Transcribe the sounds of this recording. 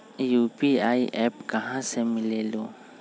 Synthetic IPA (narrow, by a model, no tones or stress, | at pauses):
juːpiaːiʔɛːpkɐɦãsemɪleːloː